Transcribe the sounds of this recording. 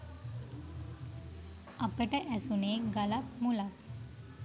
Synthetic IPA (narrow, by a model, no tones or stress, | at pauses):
apəʈɛʔɛsuneɡalapmula